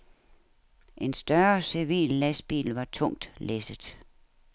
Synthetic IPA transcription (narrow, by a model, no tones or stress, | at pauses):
ʔe̝nsd̥ɶɐsiʋḭːlːæsb̥ḭːlʋɑ̈t͡sʰɔ̽ŋ̰d̥lesəð̥ˠ